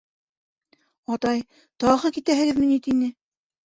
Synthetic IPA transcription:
ɑt̪ɑj | t̪ɒʁɤkit̪æɦɘ̆ɣɘðmɘ̆nit̪inɘ

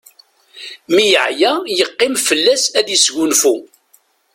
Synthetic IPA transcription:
mijəʕjæjəqːɪmfəlːæsæðəsʝunfu

